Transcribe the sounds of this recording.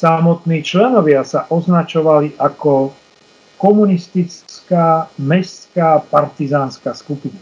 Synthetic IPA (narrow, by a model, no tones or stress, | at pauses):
samɔt̪niːt͡ʃlɛnɔʋɪasaʔɔznat͡ʃɔʋaliʔakɔ | kɔmunist̪it͡skaːmɛst͡skaːpaɾt̪izaːnskaːskupina